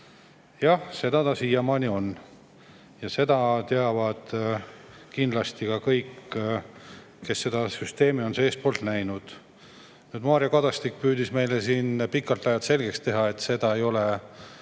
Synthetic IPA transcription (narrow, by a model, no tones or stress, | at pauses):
jɑhse̞d̪̥ɑt̪ɑsiːjɑmɑːnʲio̞nː | jɑse̞d̪̥ɑt̪e̞ɑvɑd̪̥ | kind̪lɑst̪ikɑkɤjkː | e̞sːe̞d̪̥ɑsyst̪e̞ːmio̞nseeːst̪̚poːlt̪næjnud̪̥ | nyːd̪̥mɑːɾjɑkɑd̪̥ɑst̪ikːpyːd̪isme̞jlesiːnpikːˑɑlt̪ˑɑjɑt̪se̞lʲɡ̥ekst̪e̞ɦɑe̞t̪ːˑse̞d̪̥ɑe̞jo̞le̞